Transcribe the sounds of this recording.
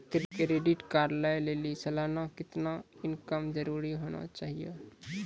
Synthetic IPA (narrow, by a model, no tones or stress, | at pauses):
t̪ɾikeɾeːɖɪʈkaːɾlajleːlisəlaːnakɪt̪naɪnkəmd͡ʒəɾuːɾiɦoːna̰t͡ʃaːɦijḛ